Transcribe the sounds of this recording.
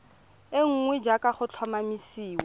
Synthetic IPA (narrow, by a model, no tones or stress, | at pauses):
eŋ̩ŋwɛd͡ʒakʼaχʊt͡ɬʰwamamisiːwɛ